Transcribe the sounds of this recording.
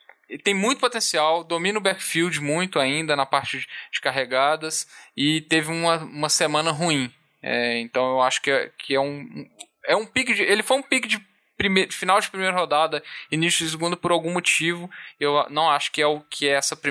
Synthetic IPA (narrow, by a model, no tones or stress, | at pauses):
t̪ẽj̃mũj̃t̪ʊpot̪ẽsiawd̪omĩnʊbɛkfiwd͡ʒɪmũj̃t̪ʊaĩnd̪ɐnɐpaɾt͡ʃɪd͡ʒɪ̥kaɦeɡad̪ɐsɪt̪evɪũmɐũmɐsemɐ̃nɐɦuĩ | ɛ̰ẽnt̪ɐ̃w̃ewaʃʊ̥kɪɛkʰɪɛũ | ɛũpikɪd͡ʒɪʔelɪfojũpikɪd͡ʒɪ | pɾimed͡ʒɪfinawd͡ʒɪpɾimejɾɐɦod̪ad̪ɐinisjʊɪs̬ɪɡũnd̪ʊpʊɾawɡũmot͡ʃivʊewnɐ̃w̃aʃʊ̥kɪɛʊkʰɪɛɛsɐpɾi